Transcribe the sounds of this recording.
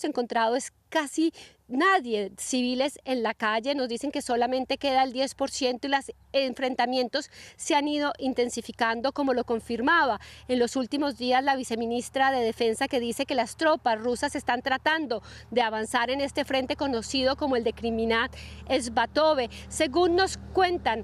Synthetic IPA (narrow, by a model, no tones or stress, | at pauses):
se̞ŋko̞nt̪ɾaðoes | kasi | naðje̞siβile̞se̞nlakaʝe̞no̞zd̪ise̞ŋke̞so̞lamẽ̞nt̪eke̞ðaeld̪je̞spo̞ɾsje̞nt̪o̞ilas | eɱfɾe̞nt̪amje̞nt̪o̞sːeanið̞o̞ʔint̪e̞nsifikand̪o̞ko̞mo̞lo̞ko̞ɱfiɾmaβae̞nlo̞sult̪imo̞zd̪iazlaβ̞ise̞minist̪ɾaðe̞ðe̞fe̞nsake̞ðise̞ke̞last̪ɾo̞pasrusase̞st̪ant̪ɾat̪and̪o̞d̪e̞aβansaɾe̞ne̞st̪e̞fɾe̞nt̪e̞ko̞no̞siðo̞ko̞moe̞ld̪e̞kɾiminat̪ezbat̪o̞βe̞se̞ɣunːo̞skwe̞nt̪an